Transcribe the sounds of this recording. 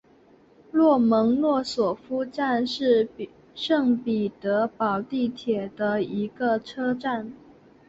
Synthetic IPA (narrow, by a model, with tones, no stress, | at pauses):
lwɔ˥˩mɤ˧˥ŋlwɔ˥˩swɔ˨˩fu˥ʈ͡ʂa˥˧nʂɻ̩˥˧ | ʂɤ˥˩ŋpi˨˩t̪ɤ˧˥pɑ˨˩ʊt̪i˥˩t̪ʰjɛ˨˩d̪ə˦i˧˥ɡə˧ʈ͡ʂʰɤ˥ʈ͡ʂa˥˩n